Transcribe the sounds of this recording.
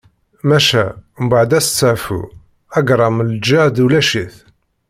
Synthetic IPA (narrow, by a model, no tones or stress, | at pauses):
mæʃæmbaʕd̪æst͡sːəʕfṵ | æɡɾˤɑmld͡ʒad̪ulæʃiθ